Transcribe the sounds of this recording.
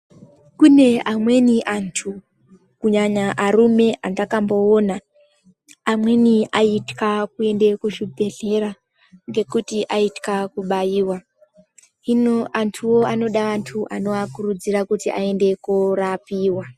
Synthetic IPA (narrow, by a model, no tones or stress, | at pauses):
kune̞amwe̞niʔantʰu | kuɲaɲaʔaɾume̞ʔandakambo̞ːnaː | mwe̞niaitkakue̞nde̞kuʃibʱe̞ɮe̞ɾa | ŋɡe̞kutiʔaitkakuɓaiːwa | inoantʰuwo̞ano̞ɗaʋantʰuʔano̞ʋakurud͡zirakutiʔae̞nde̞kurapiːwa